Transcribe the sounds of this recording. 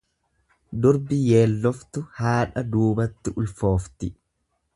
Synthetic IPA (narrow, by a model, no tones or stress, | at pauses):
d̪ʊɾbɪjeːlːɔft̪ʊhaːᶑɐd̪uːbɐt̪ːɪʔʊlfo̞ːft̪ɪ